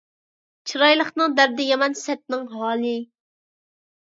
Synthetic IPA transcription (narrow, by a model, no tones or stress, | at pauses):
t͡ʃʰiɾɑjlˠəχnɨŋd̪æɾd̪ɪjɑmɑnsɛt̪̚nɪŋɦɑːlˠɨ